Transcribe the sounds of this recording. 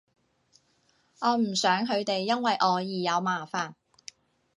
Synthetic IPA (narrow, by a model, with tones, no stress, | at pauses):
ʔɔː˨˧m̩˨˩sœː˨˥ŋɦɵ˨˧ɥt̪e˨jːɐ˥nwɐ˨jʔɔː˨˧jiː˨˩jɐ˨˧wmaː˨˩faː˨n